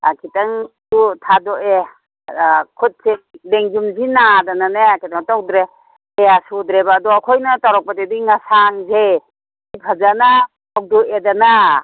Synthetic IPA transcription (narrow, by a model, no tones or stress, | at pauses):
a̰kʰitaŋtutʰadɔʔe | kʰut̚sedeŋzumzinadananeakʰitaŋtɔw̚dɾe | easudɾebaːdɔːkʰɔjnataɾɔk̚patediŋasaŋze | ipʰazana | ak̚dɔedana